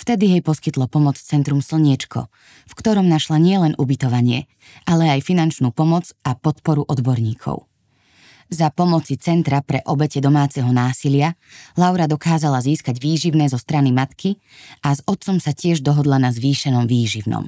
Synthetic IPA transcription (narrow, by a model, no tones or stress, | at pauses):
ft̪ɛd̪iɦɛjpɔskit̪lɔpɔmɔt͡st͡sɛnt̪ɾumsl̩ɲɪɛt͡ʃkʰɔ̰ | fkt̪ɔɾɔmnaʃlaɲɪɛlɛnubit̪ɔʋaɲɪɛ | ʔalɛajfinant͡ʃnuːpɔmɔd͡zapɔt̪pɔɾuʔɔd̪bɔɾɲiːkʰɔ̰ʊ | zapɔmɔt͡sit͡sɛnt̪ɾapɾɛʔɔbɛcɛd̪ɔmaːt͡sɛɦɔnaːsilɪalaʊɾad̪ɔkaːzalaziːskaɟʋiːʒiʊnɛːzɔst̪ɾanimat̪kʰi | azɔt̪̚t͡sɔmsacɪɛʒd̪ɔɦɔd̪lanazʋiːʃɛnɔmʋiːʒiʊnɔ̰m